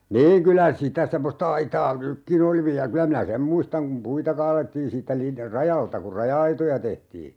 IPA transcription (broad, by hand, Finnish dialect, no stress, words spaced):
niːŋ kylæ sitæ semːostɑ ɑitɑː nykːin oli ʋiæ kylæ minæ sem muistɑŋ kum puitɑ kɑːletːiːn siːtːæ lin rɑjɑltɑ kur rɑjɑɑitojɑ tehtiː